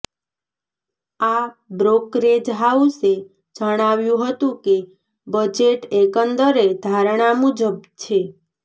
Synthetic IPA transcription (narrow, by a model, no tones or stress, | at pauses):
abɾokɾed͡ʒɦawse | d͡ʒəɽ̃aʋjũɦət̪ũke | bəd͡ʒeʈekənd̪əɾed̪ʱaɾɽ̃amud͡ʒəb̚t͡ʃʰe